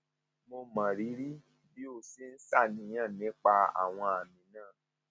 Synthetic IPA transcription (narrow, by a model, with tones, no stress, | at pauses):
mo˧mã˨ɾi˨˦ɾi˦ | bi˦o˧si˨˦n̩˦sa˦˨nĩ˧˦j̃ã˦˨nĩ˨˦k͡pa˧a̰˨w̃ɔ̃˧a˨mĩ˨˦nãː˦˨